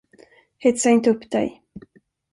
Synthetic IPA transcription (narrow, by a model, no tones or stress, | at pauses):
hɛt̪saɪnt̪əɵpːd̪ɛ̰j